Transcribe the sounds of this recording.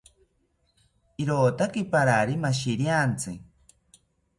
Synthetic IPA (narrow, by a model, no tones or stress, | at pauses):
iɾoːt̪akipaɾaɾimaʃiɾjant͡sɨ̰